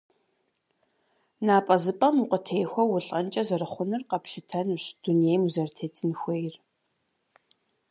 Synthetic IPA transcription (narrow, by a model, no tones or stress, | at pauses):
naːpʼɐzɨpʼɐmuqʷətʰeːjxʷɔwʊɬʼɐnt͡ʃʼɐzɐrɨχʷʊnɨrqɐpɬɪtʰɐnuɕd̥unejmuzɐrtʰeːtʰɨnxʷejr